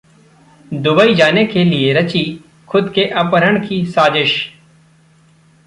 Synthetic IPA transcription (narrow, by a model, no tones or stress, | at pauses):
d̪ʊbəid͡ʒaːnekelieɾət͡ʃi | kʰʊd̪keʔɐpəɾəɳkisaːd͡ʒɪʃ